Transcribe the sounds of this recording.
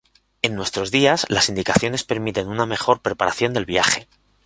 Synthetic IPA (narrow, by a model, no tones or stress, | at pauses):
e̞nːwe̞st̪ɾo̞zðiazlasind̪ikaθjo̞ne̞spe̞ɾmit̪e̞nuname̞xo̞ɾpɾe̞paɾaθjo̞nd̪e̞lβjaχe̞